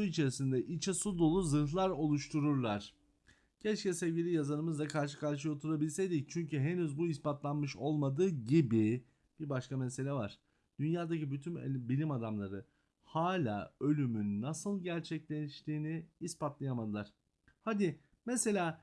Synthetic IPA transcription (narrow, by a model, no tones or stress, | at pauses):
suit͡ʃʰe̞ɾisind̪ɛʔit͡ʃʰɛsud̪o̞lˠuzɯlˠaɾo̞lˠuʃt̪ʰuɾuɾlˠaɾ̥ | ɟʰɛt͡ʃcɛsevɟilʲijazanɯmɯzd̪akʰaɾʃɯ̥kaɾʃɯjo̞t̪ʰuɾabilʲsejd̪ict͡ʃʰyɲcyɦenyzbuispat̪lˠanmɯʃo̞lˠmad̪ɯːɟibi | b̥iɾbaʃkamese̞lʲɛvaɾ̥ | d̪̥ynjaːd̪acibyt̪ʰynbilʲimad̪amlˠaɾɯ | haːlʲa̰ːø̞lʲymynːasɯlˠɟæɾt͡ʃʰɛclʲeʃt̪iːniːspat̪lˠajamad̪ɯlˠaɾ̥ | had̪i | mɛse̞lʲaː